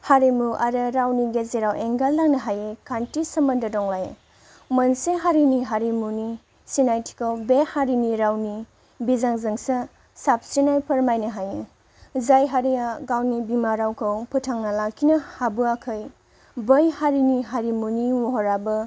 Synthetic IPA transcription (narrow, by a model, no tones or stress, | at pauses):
haɾimuʔaɾɐɾawniɡezeɾawʔeŋɡalːaŋnɐɦajekʰantisɐmɐndɐdɔŋlaje | mɐnseɦaɾiniɦaɾimuni | sinajtʰi̥kʰawbehaɾiniɾawni | bizaŋzɯŋsɐ | sap̚sinajpʰɐɾmajnɐɦaje | zajɦaɾiaɡawnibimaɾawkʰɐwpʰɯtʰaŋnalakʰinɐhabɯakʰɐj | bɐjhaɾiniɦaɾimuniwoɦɔɾabɐ